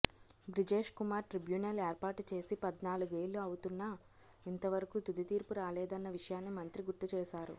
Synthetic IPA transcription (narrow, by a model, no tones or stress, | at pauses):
bɾid͡ʒe̞ːʂkumaːɾʈɾibjuːnɐleːɾpaːʈut͡ʃe̞ːsipɐd̪naːluɡeːlːuɐwut̪unːɐ | int̪ɐʋɐɾɐkut̪ud̪it̪iːɾpuɾaːlɛːd̪ɐnːɐʋiʂɐjaːnːimɐnt̪ɾiɡuɾt̪ːut͡ʃɛːʃaːɾṵ